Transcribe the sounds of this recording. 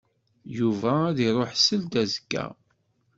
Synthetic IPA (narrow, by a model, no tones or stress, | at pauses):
juvææðiɾˤoħsəld̪æzəɡːæ̰